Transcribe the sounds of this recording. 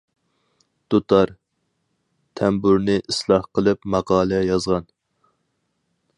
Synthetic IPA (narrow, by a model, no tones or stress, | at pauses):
d̪̥ut̪ʰɑɾ | t̪ʰɛmbuɾnɪʔislˠɑhqʰəlˠɨpmɑqɑːlˠɛjɑzʁɑn